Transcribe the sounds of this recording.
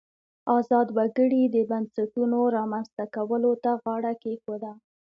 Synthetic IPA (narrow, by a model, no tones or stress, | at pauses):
ɑzɑd̪waɡəɽid̪əbansaʈunoɾɑmanst̪akawəlot̪aɣɑɽakexod̪a